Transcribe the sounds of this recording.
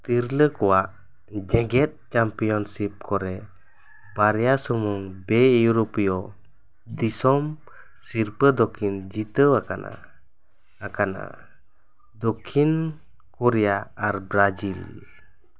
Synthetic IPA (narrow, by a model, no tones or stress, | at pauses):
t̪iɾləkɔwaʔ | d͡ʒɛɡɛt̪̚t͡ʃampijɔnsip̚kʰɔɾɛ | baɾɛjasɔmɔŋbɛuɾɔpijɔ | d̪isɔm | siɾpəd̪ɔkʰind͡ʒit̪əwaka̰na̰ː | kana̰ | d̪ɔkʰin | kɔɾɛjaːɾbɾad͡ʒil